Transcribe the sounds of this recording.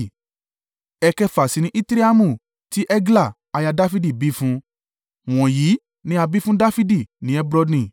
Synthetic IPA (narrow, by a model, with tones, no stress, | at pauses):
ɛ˧kɛ˦fa˨si˨˧nĩ˧˦ʔi˦tɾe˦a˦mũ˦˨ | ti˦ʔɛ˦ɡla˦˨ | a˧ja˧da˦fi˦di˦˨bi˦fũ˦ | w̃ɔ̃˨ji˨˦ | nĩ˦a˧bi˦fũ˦da˦fi˦di˦˨nĩ˨˦ɛ˦bɾɔ˧dnĩ˨